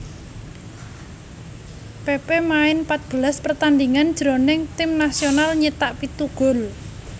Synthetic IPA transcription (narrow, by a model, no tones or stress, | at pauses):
pepemaɪnpat̪̚b̥əlaspərt̪and̪iŋand̥ʒ̥ɾonɪŋt̪ɪmnasionalɲit̪aʔpit̪uɡ̥ʊ̤l